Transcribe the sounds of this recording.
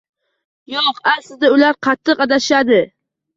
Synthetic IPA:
joqaslɪɪd̪aʊlaɾqʰɑt̪ʰːɨqɑd̪aʃad̪ɪ

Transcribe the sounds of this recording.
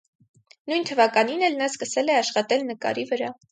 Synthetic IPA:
nujnt̪ʰəvɑkɑninɛlnɑskəsɛlɛɑʃχɑt̪ɛlnəkɑ̰ɾivəɾɑ

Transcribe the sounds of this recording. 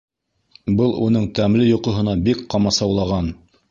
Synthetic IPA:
bɤlˠunɤɴt̪æmlɘjŏqŏɦɤ̆nɑbikqɑmɑsɑwlˠɑʁɑn

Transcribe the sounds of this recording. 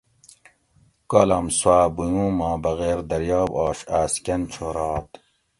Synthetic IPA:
kolɐmswaːbujũːmaːbɐɣeːɾd̪ɐɾjɑːbɑːɕaːskɐnt͡ʃʰoɾɑːt̪

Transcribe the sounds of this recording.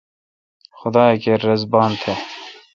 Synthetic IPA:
xʊd̪ɑːekeɾɐzbɑːnt̪ʰe

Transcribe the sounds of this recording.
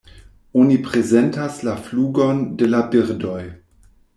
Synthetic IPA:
onipʁezentaslafluːɡondelabiɾdoj

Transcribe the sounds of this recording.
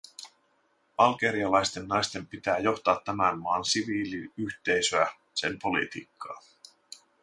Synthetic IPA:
ɑlɡe̞ɾiɑlɑjst̪e̞nːɑjst̪e̞mpit̪æːjo̞xt̪ɑːt̪ːæmænmɑːnsiʋiːliyçt̪e̞jsøæ | se̞mpo̞lḭt̪ḭːkʰːɑ̰ː

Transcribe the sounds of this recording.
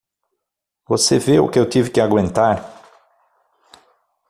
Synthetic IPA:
voseveʊ̰kɪewt̪ivɪkɪaɡwẽnt̪aɾ

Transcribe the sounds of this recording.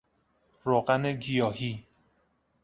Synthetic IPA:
ɾoɣæneɡijɒːhi

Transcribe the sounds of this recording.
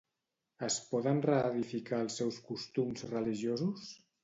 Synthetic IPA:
əspɔðənrəːðifikalˠsːɛwskust̪umzrəliʒjozus

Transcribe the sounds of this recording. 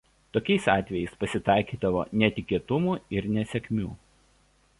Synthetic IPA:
t̪oːkʲɛɪsɑːt̪ʲʋʲɛjɛɪspɐsʲɪt̪ɑˑɪkʲiːd̪ɐʋo̰ːnʲɛt̪ʲɪkʲiɛt̪ʊmuːɪɾnʲɛsʲɛkʲmʲuː

